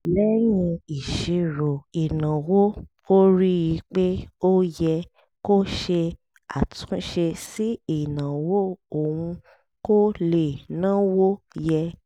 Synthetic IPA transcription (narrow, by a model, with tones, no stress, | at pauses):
lɛ˦j̃ĩ˧i˨ʃi˨˧ɾo˨i˨nã˨wo˦ | o˦ɾi˦ji˧k͡pe˦o˦jɛ˧ | ko˦ʃe˧ | a̰˨tũ˦ʃe˧si˦i˨nã˨wo˦o˨wũ˧ | ko˦le˨nã˦wo˦ | jɛ˧